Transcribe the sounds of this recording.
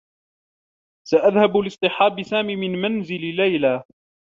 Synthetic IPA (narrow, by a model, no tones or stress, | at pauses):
saʔaðhabalɪsˤt̪ˤɨħɑːbɪsaːmiːmɪnmanzɪlɪlajla